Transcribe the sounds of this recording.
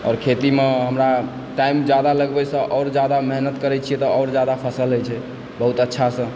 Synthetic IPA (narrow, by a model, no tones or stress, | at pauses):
ɔ̰ːɾkʰet̪imeɦəmɾa | ʈaimd͡ʒad̪aləɡbɛsə̃ʔɔːɾd͡ʒad̪ameɦnət̪kəɾɛt͡ʃʰijɛt̪ɔɔːɾd͡ʒad̪apʰəsəlɦojt͡ʃʰɛ | bəɦut̪ətːʃʰasə̃